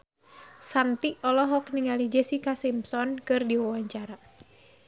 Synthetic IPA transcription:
sant̪iʔɔlɔɦɔkniŋalid͡ʒɛsikasimsɔnkɨrdiwawaɲt͡ʃaɾa

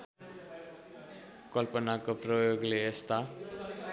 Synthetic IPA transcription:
kʌlpʌnakoprʌjoɡleest̪a

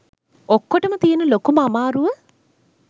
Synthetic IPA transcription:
okːoʈəmət̪ijenulokuməamaːɾuʋə

